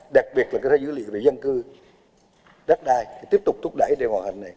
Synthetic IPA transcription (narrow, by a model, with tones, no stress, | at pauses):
ɗa˨˩k̚ɓi˨˩ət̚laː˨˩kːt̪ʰːzɨ̰˧˥lḭ˧˨ve˨˩zə˧nkɨ˧ | ɗa˦˥ɗaː˧jʰt̪i˦˥p̚t̪k͡p̚t̪ʰʊ˦˥k͡p̚ɗə̰˧˩jɗe˨˧˩mwaː˨˩ha˨˩ŋ̟na˨˩j